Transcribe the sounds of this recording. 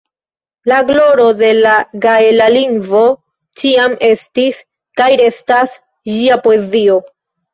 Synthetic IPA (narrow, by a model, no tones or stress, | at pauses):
laɡlo̞ɾo̞de̞laɡaelaliŋvo̞ | t͡ʃiamʔe̞stis | kajɾe̞stas | d͡ʒiapoe̞zio̞